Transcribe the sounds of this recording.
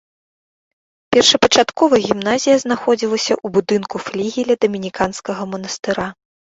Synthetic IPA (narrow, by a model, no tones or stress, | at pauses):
pʲɛrʂɐpɐt͡ʂat̪kɔvɐɣʲimnazʲijɐznaxɔd͡zʲilˠɐsʲɐʔubud̪ɨnkuflʲiɣʲilʲɐd̪ɐmʲinʲikanskɐɣɐmɐnɐst̪ɨɾa